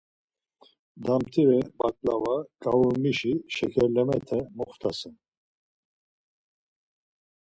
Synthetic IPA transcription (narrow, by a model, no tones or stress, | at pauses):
d̪amt̪ʰiɾɛbakʼlavakʼavuɾmiʃiʃɛkʰɛɾlɛmɛt̪ʰɛmɔχt̪ʰasɛn